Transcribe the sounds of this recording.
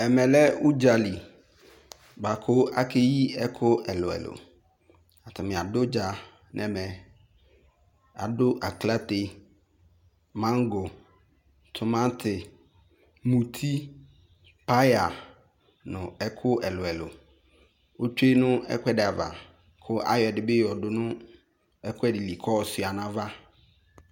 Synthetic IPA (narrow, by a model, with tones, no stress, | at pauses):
ɛ˨mɛ̃˨lɛ˦u˦d͡ʒa˨li˨ | ba˨kʰʊ˦a˦kʰe˦ji˦ɛ˦kʰʊ˦ɛ˨lʊ˨ɛ̰˨lʊ̰˨ | a˨tʰʊ˨mɪ̃˨a˨dʊ˦d͡ʒa˨ | nʔɛ̃˨mɛ̃˨ | a̰˨dʊ˦ʔa˨kla˦te˦ | mã˦ŋɡʊ˨ | tʰʊ˨mã˦ntʰɪ˨ | mũ˨tʰi˦ | pʰa˦ja˨ | nʊ̃˨ɛ˦kʰʊ˦ɛ˨lʊ˨ɛ˨lo̰˨ | o˦t͡ʃᶣe˦nʊ̃˦ɛ̰˦kʷʰɛ˦dɪ˨a˨va̰˨ | kʰʊ˦ʔa̰˦jɔ˨dɪ˨bɪ˦jɔ˨dʊ˦nʊ̃˦ | ɛ˦kʰʷɛ˦dɪ˨li˨kʰɔ˦˨sʊ˨a˨nã˦va˦